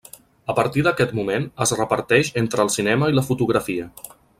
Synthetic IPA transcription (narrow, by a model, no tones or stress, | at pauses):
əpəɾt̪iðəkɛt̪mumenəzrəpəɾt̪ɛʃent̪ɾəːlˠsinɛməiləfut̪uɣɾəfiə